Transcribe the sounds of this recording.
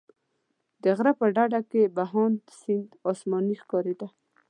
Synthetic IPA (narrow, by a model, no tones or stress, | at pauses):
d̪əɣɾapəɖaɖakebaɦɑnd̪sɪnd̪ɔsmɑnixkɔɾid̪a